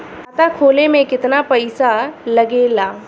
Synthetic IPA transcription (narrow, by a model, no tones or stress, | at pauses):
t̪akʰoːlemẽkɪt̪napɐɪsalɐɡeːlaː